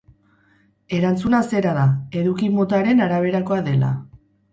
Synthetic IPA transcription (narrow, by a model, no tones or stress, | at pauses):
e̞ɾant͡sunase̞ɾaðae̞ðukimo̞t̪aɾe̞naɾaβ̞e̞ɾako̞aðe̞la̰